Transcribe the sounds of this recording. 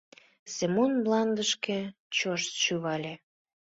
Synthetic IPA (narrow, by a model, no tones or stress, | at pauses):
semonblɑnd̪əʃke | t͡ɕoʃt̪ʃyβɑlʲe